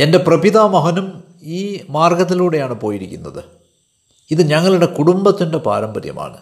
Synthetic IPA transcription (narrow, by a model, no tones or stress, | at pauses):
e̞nde̞prɐbiðaːmɐɦɐnum | iːmaːrɡɐt̪̬ːiluːɽe̞jaːɳɨpo̞ːjiɾikʲːunːɐðɨ | iðɨɲɐŋːɐɭuɽe̞kuɽumbɐt̪ːinde̞pa̰ːɾɐmbɐɾjɐ̰ma̰ːɳɨ